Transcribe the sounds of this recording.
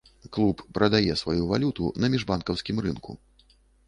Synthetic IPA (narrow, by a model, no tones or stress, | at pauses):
klˠupːɾɐd̪ajɛsvajuvalʲut̪ṵnɐmʲiʐbankɐwsʲkʲimrɨnkṵ